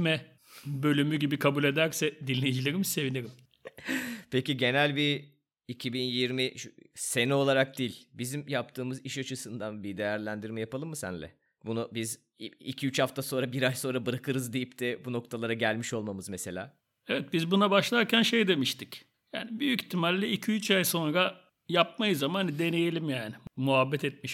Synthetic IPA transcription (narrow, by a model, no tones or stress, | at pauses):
mɛ | bø̞lʲymyɟibikʰabulʲe̞d̪æɾsɛd̪inlːʲejid͡ʒilʲeɾimse̞vinʲiɾim | pʰeciɟe̞nælʲbiː | cʰibinjiɾmiʃse̞nɛo̞lˠaɾak̚d̪iːlʲbizimjapt̪ʰɯːmɯziʃat͡ʃʰɯsɯnd̪anbid̪e̞jæɾlʲænd̪iɾmɛjapalˠɯmːɯsæ̰nlʲɛ̰ | bunubiz | icʰiyt͡ʃhaft̪ʰaso̞nɾabiɾajso̞nɾabɯɾakʰɯɾɯzd̪ijip̚t̪ʰɛbuno̞k̚t̪ʰalˠaɾaɟælʲmiʃo̞lˠmamɯzmese̞lʲa̰ː | evɛt̪̚bizbunabaʃlˠaɾcænʃe̞jd̪e̞miʃt̪ic | ja̰ːnibyjyci̥t̪ʰːimalʲːiicʰiyt͡ʃajso̞nɾa | jap̚majɯzamananid̪e̞ne̞jelʲimjaːnɪmuɦabːɛt̪ɛt̪̚miʃ